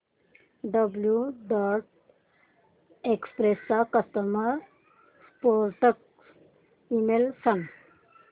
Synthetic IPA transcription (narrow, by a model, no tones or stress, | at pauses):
ɖəbljuɖaɾʈ̚ | ekspɾesakʌst̪əməɾ | spoɾʈək̚ | imelsɐn